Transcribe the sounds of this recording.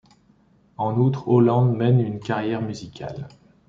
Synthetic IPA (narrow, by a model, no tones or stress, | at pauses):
ɑ̃nut̪χolɑ̃d̪mɛnynkaʁjɛʁmyzikʲʰa̰l